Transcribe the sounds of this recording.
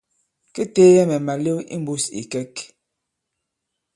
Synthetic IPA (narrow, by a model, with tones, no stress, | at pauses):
ke˦teː˦jɛ˦mɛ˨ma˨le˦wḭ˦m̩˦bu˦sḭ˨kɛ˦k